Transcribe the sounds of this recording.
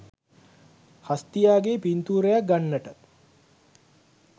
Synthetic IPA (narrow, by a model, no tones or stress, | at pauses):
hast̪ijaːɡepint̪uːɾəjak̚ɡanːəʈə